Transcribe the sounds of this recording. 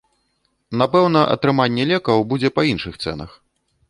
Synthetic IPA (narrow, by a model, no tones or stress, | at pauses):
napɛwn̪ɐʔɐ̰t̪ɾɨmanʲːɛlʲɛkɐwbud͡zʲɛpɐinʂɨxt̪sɛ̰nɐ̰x